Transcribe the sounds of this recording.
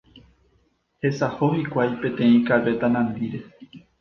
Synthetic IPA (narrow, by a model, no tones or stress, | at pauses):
he̞saho̞hikʷajpẽ̞t̪ẽ̞ĩkaʋe̞t̪anãnd̪iɾe̞